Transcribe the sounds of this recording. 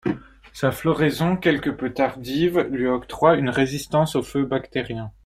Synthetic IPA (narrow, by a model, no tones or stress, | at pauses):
saflɔʁezɔ̃kʲɛlkəpøt̪aʁd̪ivlɥiɔkt̪χwaynʁezist̪ɑ̃soføbakt̪eʁjɛ̃